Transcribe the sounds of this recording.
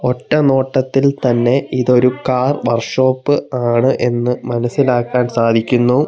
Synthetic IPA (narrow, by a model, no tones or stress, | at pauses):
oʈːɐnoːʈːɐt̪ːilt̪ɐnːe̞iðo̞ɾukaːrʋɐrʂo̞ːpːɨaːɳɨʔe̞nːɨmɐnɐsːilaːkːaːnsaːd̪ʱikʲːunːɐ